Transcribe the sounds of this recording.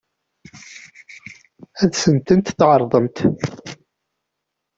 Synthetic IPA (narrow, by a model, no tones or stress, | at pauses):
æðsənt̪ənt̪θʕəɾˤðˤənt̪